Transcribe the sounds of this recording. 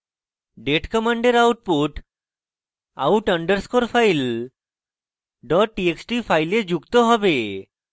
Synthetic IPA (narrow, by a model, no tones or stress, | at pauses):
ɖeʈkɔmaɳɖeɾawʈ̚puʈ | a̰wʈəɳɖəɾskoɾfʰajl | ɖɔʈːieksʈifʰajled͡ʑukt̪oɦɔbe